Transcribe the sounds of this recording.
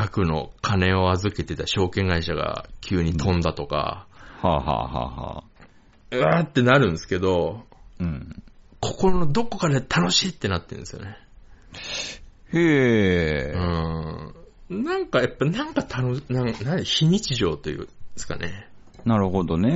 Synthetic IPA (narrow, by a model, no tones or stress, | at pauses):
ɡakɯ̟no̞̰kʰane̞o̞azɨke̞t̪e̞t̪aɕo̞ːkẽ̞ŋɡaiɕaɡa̰kʲʰɨːɲ̟it̪ʰõ̞nd̪at̪o̞ka̰haɦa̰ha̰ha̰ | ɯat̪ːe̞naɾɯ̟̃nsɨ̥ke̞d̪o̞ɯ̟̃kʰo̞ko̞ɾond̪o̞ko̞kad̪et̪ʰano̞ɕiːt̪ːe̞nat̪ːẽ̞nsɨjo̰ne̞ | he | ɯ̟̃ | nãŋkajapːanãŋkat̪ʰanonãŋnãçiɲ̟it͡ɕiʑo̞̰ːt̪ːo̞jɯ̰sɨ̥ka̰nʔe | naɾɯ̟ɦod̪o̞ne